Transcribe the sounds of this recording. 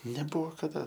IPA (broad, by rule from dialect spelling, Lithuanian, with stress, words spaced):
nʲɛˈbʊʋoː kɐˈdɐ